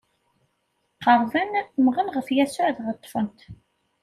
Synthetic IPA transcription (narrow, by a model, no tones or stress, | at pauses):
qɑɾˤðænmʁənʁəfjæsʊʕðʁət̪ˤːfənt̪